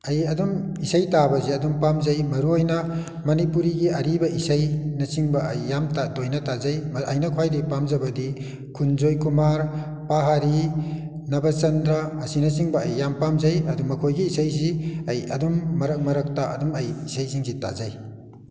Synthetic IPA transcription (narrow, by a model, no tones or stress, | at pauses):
ɐjɐdum | isɐjtabɐziɐdumpamzɐjmɐɾuojnɐ | mɐnipuɾiɡiɐɾibɐisɐjnɐsiŋbɐɐjːamtadojnɐtazɐjmɐʔɐjnɐkʰwajdipamzɐbɐdi | kʰunzojkumaɾ | paɦaɾi | nɐbɐt͡ʃɐndɾɐɐsinɐsiŋbɐːjːampamzɐjɐdumɐkʰojɡiːsɐjziɐjɐ̰dumːɐɾɐk̚mɐɾɐk̚taɐ̰dumɐjisɐjsiŋsita̰zaj